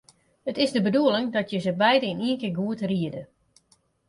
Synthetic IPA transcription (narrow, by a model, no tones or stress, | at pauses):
hətɪzdəbəduəlɪŋdɔtjəzəbɛjdəɪniənkɪɡuətriədə